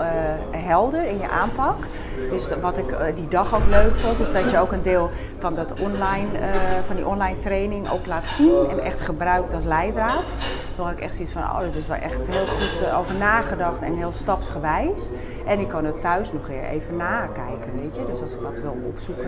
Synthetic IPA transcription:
ɦɛlˠdərɪnjə̰ʔa̰ːmpɑk | døsʋɔtɪkdidɔxowkløɥkfontɪsdɔtjəowkəndɪːlˠ | fɔndɔtɔnlajnəfɔndiʔɔnlajntreːnɪŋo̰wklaːtsinɛnɛ̰xtχəbrœɥktɔlˠs̬lɛjdraːt | ʋɔlˠɪkɛ̰xtfisfɔno̰ːdɔtɪsʋɛ̰lˠʔɛ̰xtɦɪəlˠχuto̰wvərnaːɣədɑxtɛnɦɪəlˠstɑpsχəʋɛjs | ʔɛnɪkʰːɔndɔtʰːœɥsnɔχʋɪɹḛːvənːaːkɛjkənʋeːtjədøsɑlˠsɪk̚dɔtʋɪlˠɔ̰psuk

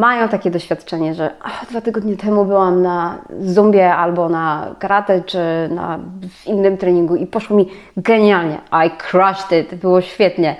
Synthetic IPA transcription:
majɔ̃w̃t̪akʲɛd̪ɔɕfʲjat̪t͡ʂɛɲɛʐɛad̪vat̪ɘɡɔd̪ɲɛt̪ʰɛmubɘwamnazumbʲjɛalbɔnakaɾat̪ɛt͡ʂɘna̰vinːɘmt̪ɾɛɲiŋɡuipɔʂwɔmʲi | ɡɛɲalɲɛ̰ʔajkʰɾaʂt̪ɪt̪bɘwɔɕfʲjɛt̪ɲɛ

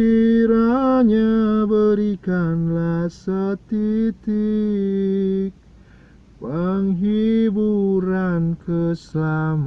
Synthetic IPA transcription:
iɾaɲabəɾikanlahsət̪it̪i | k̚ | pəŋɦibuɾankʰəsəlama

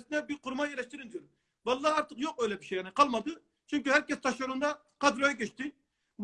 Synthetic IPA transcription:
sɪd̪ɛbɪɾquɾmɑjɛlɛʃt̪ɪɾɪnd̪yjuɾ | bɑlˠːɑːɑɾt̪əqjoqojlɛpʰi̥ʃɛjɛnɨqʰɑlˠmɑd̪ɨ | t͡ʃʰyŋʲkʲyhæɾkʲɛst̪ʰɑʃoɾund̪ɑ | qʰɑd̪ɾojɑkʲʰɛt͡ʃt̪ɪ | b

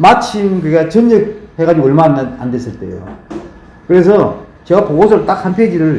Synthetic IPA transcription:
mat͡ɕʰimkɯɡat͡ɕɯɲɯk̚he̞ɡad͡ʑiʌɭmaande̞s͈ɯɭt͈e̞̰jo̰ | kɯɾe̞s̬ʰʌ | t͡ɕe̞ɡapoɡosʰʌɾot͈ak̚hanpʰed͡ʑiɾɯɭ

